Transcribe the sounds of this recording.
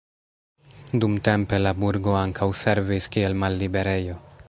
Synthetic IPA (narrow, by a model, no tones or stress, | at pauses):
dumte̞mpe̞labuɾɡo̞aŋkʰawse̞ɾviskie̞lmalːibe̞ɾe̞jo̞